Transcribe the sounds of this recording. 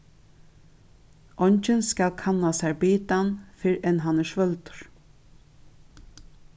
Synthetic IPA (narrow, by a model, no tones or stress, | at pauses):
ʔɔɲt͡ʃɪnskalkʰanːasæɹbiːt̪anfɪɹɛnɦanæʃʋœlt̪ʊ̥ɹ̥